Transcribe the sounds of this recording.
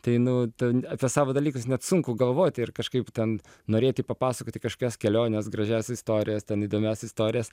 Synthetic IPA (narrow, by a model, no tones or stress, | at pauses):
t̪ɐɪnʊt̪ɐɐpʲiɛsɑːʋoːd̪ɐlʲiːkʊsnʲɛt̪sʊŋkʊɡɐlˠʋoːt̪ʲɪrkɐʃkɐɪpt̪ʲɛn | noːɾʲeːt̪ʲiːpɐpɑːsɐkoːt̪ʲikɐʃkoːkʲɛskʲɛlʲoːnʲɛsɡɾɐʒʲæsʲɪst̪oːɾʲɪjɛst̪ʲɛniːd̪oːmʲæsʲɪst̪oːɾʲɪjɛs